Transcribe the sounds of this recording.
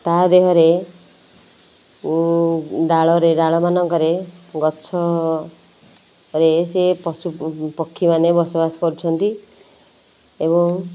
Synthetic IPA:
t̪ad̪eɦɔɾe | u | ɖaɭɔɾeɖaɭɔmanɔŋkɔɾeɡɔtːsʰɔ | ɾesepɔsupɔkʰːimanebɔsɔbasɔ̥pɔɾut͡ʃʰɔnt̪i | ebɔ

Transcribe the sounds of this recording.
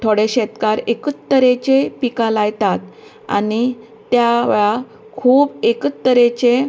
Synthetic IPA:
t̪ʰoɽeɕɛt̪kaɾekət̪ːəɾet͡ɕepikalajt̪at̪ | a̰ni | t̪jaʋeɭa | kʰuːbekət̪ːəɾet͡ɕe

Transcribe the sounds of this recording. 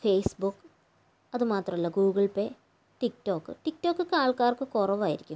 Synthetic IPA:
feːsbukːɨ | ɐðɨmaːt̪rɐmɐlːɐɡuːɣɐɭpːe | ʈikto̞ːkːɨ̰ʈik̚to̞ːkːɨkːaːɭkaːrkɨkurɐʋaːjiɾikʲːum

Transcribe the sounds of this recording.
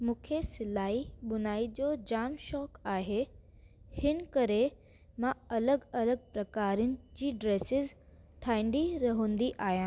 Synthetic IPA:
mũːkʰesɪlaːiɓʊnaːid͡ʑoːd͡ʑaːmʃɔːkaːɦe | hɪnkɐɾe | mãɐləɡɐləɡ̚pɾɐkaːɾijʊnɪ̆d͡ʑiːɖɾeːsɪz | ʈʰaːĩnd̪iɾɐɦə̃ːnd̪iʔaːɦijãː

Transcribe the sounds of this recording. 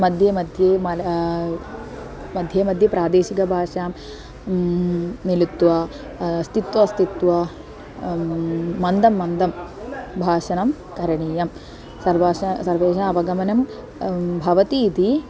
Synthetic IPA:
mɐd̪ʱjemɐd̪ʱjeːmɐl | mɐd̪ʱjeːmɐd̪ʱjɐpɾaːd̪eːʃikɐbʱaːʂaːm | nilut̪ːʋɐ | st̪it̪ʋɐst̪it̪ʋɐ | ɐnd̪ɐmːɐnd̪ɐmbʱaːʃɐnɐm | kɐɾɐɳiːjɐm | sɐɾʋaːʃɐsɐɾʋeːʃaɐʋɐɡɐmɐnɐm | bʱɐʋɐt̪iːt̪i

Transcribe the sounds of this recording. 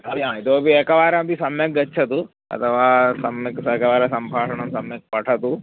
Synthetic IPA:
ɐɾiɦãːit̪oːbiekɐʋaːɾɐmbisɐmjɐk̚ɡɐtːt͡ʃʰɐt̪u | ɐ̰t̪ʰɐʋaːsɐmjɐksɐkɐʋaːɾɐsɐmbʱaːʂɐɳɐmsɐmjɐk̚pɐʈʰɐt̪u

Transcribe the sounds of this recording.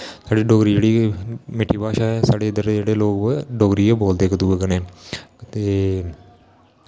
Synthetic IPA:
saːɖiːɖoːɡɾiːd͡ʒeːɽiːmɪʈʰːiːpaːʃaːɛsaːɽeːɪd̪əɾd͡ʒeːɽeːloːkɖoːɡɾiːeboːld̪eːkət̪uːekəneːt̪eː

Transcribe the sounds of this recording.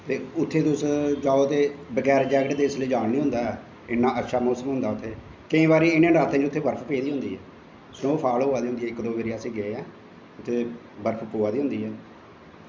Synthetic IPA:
t̪eːʊt̪ʰːeːt̪ʊsd͡ʒaːoːt̪eːbəɡɛːɾd͡ʒɛːɡəʈd̪eːɪsləiːd͡ʒaːɽnĩːɦʊ̃nd̪aːɛː | ɪnːãːʔətːʃʰaːmɔːsəmɦʊ̃nd̪aːʊt̪ʰːeː | kəĩːbaːɾiːɪnẽːɖaːt̪ãːd͡ʒʊt̪ʰːeːbəɾpʰpeːd̪iːɦʊ̃nd̪iːɛː | snoːpʰaːloːaːd̪iːʊ̃nd̪iːɛːɪkd̪oːʋeːɾɪaːəsĩːɡeeɛ̃ː | ʊt̪ʰːeː | bəɾpʰpoːaːd̪iːɦʊ̃nd̪iːɦɛː

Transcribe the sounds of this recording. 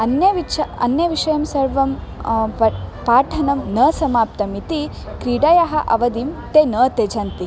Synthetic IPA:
ɐnjɐʋiɐɐ̰njɐʋiʂɐjɐmsɐɾʋɐmɐpaːʈʰɐnɐmnɐːsɐmaːp̚t̪ɐmit̪i | kɾiɽɐjɐɦɐʔɐ̰ʋɐd̪imt̪enɐːt̪ed͡ʒʱɐnt̪i

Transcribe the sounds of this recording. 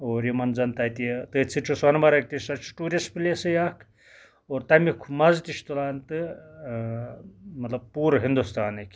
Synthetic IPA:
oːɾimɐnzɐnt̪ɐjt̪it̪ɨːt͡sʰit͡ʃʰuswɐnmɐɾɐk̚t̪isɐt͡ʃʰʈuːɾʲespɨlesɨjaːkʰ | oːɾt̪ɐmikʰumɐzt̪iʃʰt̪ulaːnt̪ɨ | mɐt̪lɐb̚puːɾɦind̪ust̪aːnɨkʲ

